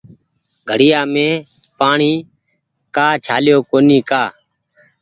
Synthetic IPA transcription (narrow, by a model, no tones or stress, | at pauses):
ɡʱəɽɪjaːmẽː | paːɳiː | kaːt͡ʃʰaːljoːkoːniːkaː